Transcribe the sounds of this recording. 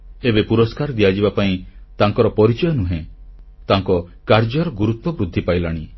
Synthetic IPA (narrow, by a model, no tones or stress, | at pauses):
ebepuɾɔskaɾd̪ijad͡ʒibapaĩ | t̪aŋkɔɾɔpɔɾit͡ʃɔjɔnuɦẽ | t̪aŋkɔ | kaɾd͡ʒɔɾɔɡuɾut̪ːɔbɾud̪ʱːipajlaɽ̃i